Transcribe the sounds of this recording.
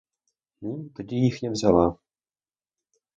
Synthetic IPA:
niːmt̪ɟijɪxɲɛvzalaː

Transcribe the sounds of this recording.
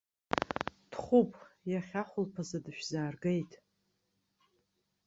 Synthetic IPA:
d̥χʷupʼjaχʲaχʷʊlpʰazadɨʃᶣzaːrɡejtʼ

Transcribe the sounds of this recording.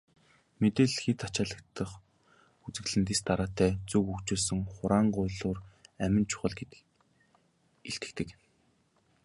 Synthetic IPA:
met̪eːɮxet̪ʰat͡ɕaːɮə̆kt̪ʰːə̆χ | ut͡sɘ̆ɮɘ̆nt̪̬ist̪aɾaːt̪æːt͡sukukt͡ɕoːsɵ̆ŋχʊɾaːɴɢʊjɮʊːræmʲɪ̆nt͡ɕʰʊ̥χə̆ɮɡet̪ | eɬt̪ɘ̆t̪ɘ̆k

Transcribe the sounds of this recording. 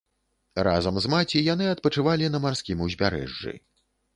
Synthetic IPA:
ra̰zɐmzmat͡sʲijanɨɐt̪̚pɐt͡ʂɨvalʲinɐmarskʲimuzʲbʲaɾɛ̰ʐːɨ̰

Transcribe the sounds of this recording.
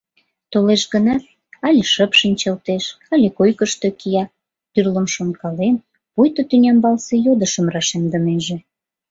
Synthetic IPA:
t̪oleʃɡənɑt̪̚ | ɑlʲeʃəpʃinʲt͡ɕɑlt̪eʃ | ɑlʲekojkəʃt̪okijɑ | t̪yrlə̆mʃonkɑlen | pujt̪ot̪ynʲɑmbɑlsejod̪əʃəmrɑʃemd̪ə̆meʒĕ

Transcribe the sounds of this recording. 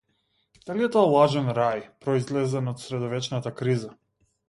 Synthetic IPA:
d̪̥aliɛt̪ɔɛlˠaʒɛnɾajpɾɔizlɛzɛnɔt̪sɾɛd̪ɔvɛt͡ʃnat̪akɾiza

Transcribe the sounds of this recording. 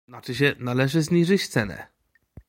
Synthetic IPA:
nat͡ʂɘɕ̬ɛnalɛʐɘzɲiʐɘt͡ɕt̪sɛnɛ̰

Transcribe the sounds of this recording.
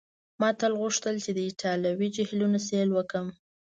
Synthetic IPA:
mɑt̪əlɣuʂt̪əlt͡ʃed̪əiʈʰɑlawid͡ʒɪhlunaselwəkəm

